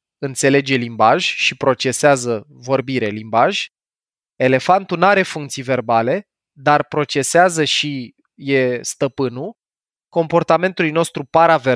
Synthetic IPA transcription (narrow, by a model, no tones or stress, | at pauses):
ɨnt̪se̞le̞d͡ʒe̞limbaʒʲʃipɾo̞t͡ʃe̞seazəvo̞rbiɾe̞limbaʒʲ | e̞le̞fant̪unaɾe̞fuŋk̚t̪sijve̞rbale̞ | d̪arpɾo̞t͡ʃe̞seazəʃi | je̞st̪əpɨnu | ko̞mpo̞rt̪ame̞nt̪ulujno̞st̪ɾupaɾave